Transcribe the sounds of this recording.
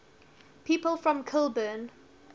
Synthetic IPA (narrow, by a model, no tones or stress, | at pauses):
pʰiːˑpəlˠfɹɔ̃mkʰɪlˠbən